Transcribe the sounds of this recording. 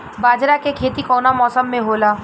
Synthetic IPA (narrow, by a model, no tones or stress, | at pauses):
baːd͡ʒɾakekʰeːt̪ikɔːnamɔːsəmːẽɦoːlaː